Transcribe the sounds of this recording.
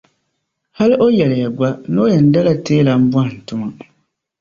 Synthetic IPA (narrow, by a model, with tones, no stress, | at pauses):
ha˦li˦ʔo˦jɛ˨lɪ˨ja˨ɡ͡ba˦no˦jɛ˨n̩˦da˦la˦teː˦la˨m̩˦ba˦n˨n̩˨tʊ˦ma˦